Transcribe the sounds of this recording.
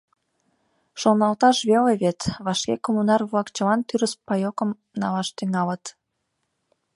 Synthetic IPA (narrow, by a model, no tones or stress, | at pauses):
ʃonɑlt̪ɑʃβeleβet̪βɑʃkekomunɑrβlɑkt͡ɕəlɑnt̪yɾəspɑjokə̆m | nɑlɑʃt̪yŋɑlət̪